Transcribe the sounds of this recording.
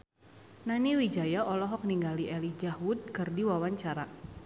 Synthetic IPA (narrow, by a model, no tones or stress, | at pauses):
naniwid͡ʒajaʔɔlɔɦɔk̚niŋɡaliʔɛlid͡ʒaɦud̚kɨrdiwawaɲt͡ʃaɾa